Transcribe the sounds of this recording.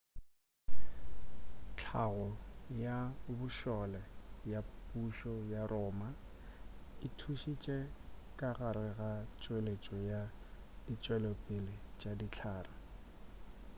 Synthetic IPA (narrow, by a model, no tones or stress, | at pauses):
t͡ɬʰaɣɔjabʊʃɔlɛjapʼuʃɔjarɔːma | ɪtʰuʃit͡ʃʼɛkʼaɣaɾɪɣat͡ʃʼwelet͡ʃʼɔja | dit͡ʃʼwɛlɔpʼɪlɪt͡ʃʼadit͡ɬʰaːra